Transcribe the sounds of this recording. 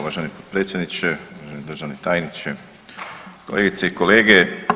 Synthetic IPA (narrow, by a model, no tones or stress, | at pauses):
ʋaʒenipot̪pɾet̪sjed̪nit͡ʃeuaʒenid̪ɾr̩ʒaʋnit̪aːjnit͡ʃe | koleːɡit̪seiko̞leːɡe